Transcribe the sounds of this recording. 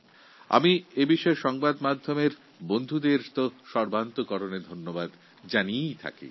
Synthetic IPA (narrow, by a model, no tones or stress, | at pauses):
a̰miebiʃɔeɾʃɔŋbad̪mad̪ʱːomeɾ | bond̪ʱud̪eɾt̪oʃɔɾbʱant̪okɔɾoned̪ʱonːobad̪ | d͡ʑaniejt̪ʰa̰kḭ